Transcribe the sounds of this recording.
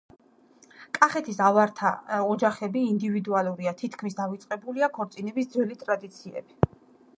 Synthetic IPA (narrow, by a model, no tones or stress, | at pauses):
kʼaχɛt̪ʰisavaɾt̪ʰa̰ɔd͡ʒaχɛbiːnd̪ivid̪ualˠuɾiat̪ʰit̪ʰkʰmisd̪avit̪sʼqʼɛbuliakʰɔɾt̪sʼinɛbisd̪zwɛlit̪ʼɾad̪it̪sʰiɛ̰b̥i